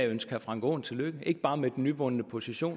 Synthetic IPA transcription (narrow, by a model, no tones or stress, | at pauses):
ønsɡ̥ɐfʁɑ̈ŋɡ̥o̰ːn̩t͡sʰe̝løɡ̥əe̝ɡ̥əb̥ɑ̈ːmed̥n̩ːyʋɔ̽nənəpʰo̝siɕo̝̰ː